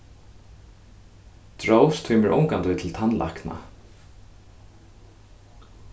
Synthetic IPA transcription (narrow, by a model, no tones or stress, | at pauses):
t̪ɹowst̪ʰʏːməɹʔʊ̰ŋkant̪ɪt̪ʰɪlt̪ʰanlʔa̰hkna̰